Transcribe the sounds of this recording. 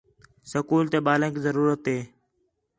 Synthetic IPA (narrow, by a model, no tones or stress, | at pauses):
səkuːlt̪eːɓaːlẽːkiːzəɾuːɾət̪ɦeː